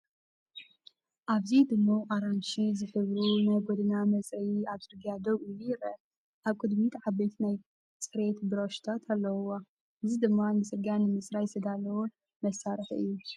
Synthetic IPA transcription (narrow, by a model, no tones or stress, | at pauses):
ʔaβzid̪ɨmːoʔaɾanʃizɨħɨβɾunajɡod̪ɨnamɐt͡sʼiaβsʼɨɾɡjad̪ɐβʔujːujɪɾɐ̰ | ʔaβkʼɨd̪mit̪ʰʕabejt̪ʰnaj | t͡sʼɨɾet̪bɨɾoʃt̪ʰat̪ʰalːɐwwa | ʔɨzid̪ɨmːamɨsʼɨɾɡjanɨmɨsʼɾajsɨd̪alːɐwo | mɐsaɾɨħɨ̰jːu